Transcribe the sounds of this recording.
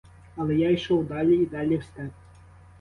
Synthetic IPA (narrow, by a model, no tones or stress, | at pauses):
ɐlʲɛjaiʂɔwd̪alʲɛid̪alʲɛwsʲt̪at͡sʲ